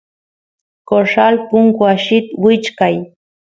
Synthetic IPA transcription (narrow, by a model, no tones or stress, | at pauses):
koʂalpʊŋkwaʃɪt̪wɪt͡ʃkaj